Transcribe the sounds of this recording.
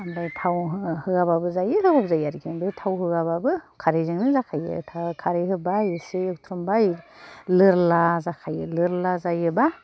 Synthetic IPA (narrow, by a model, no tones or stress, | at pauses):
abajtʰawɦhɯɡababɯzajɯɦɯbap̚zajaɾɡenbajtʰawɦɯɡababɯkʰaɾezɯŋnɯzakʰajɯ̰tʰakʰaɾeɦɯbajseɯkt̪ʰɾumbajlɯɾlazakʰajɯlɯɾlazajɯba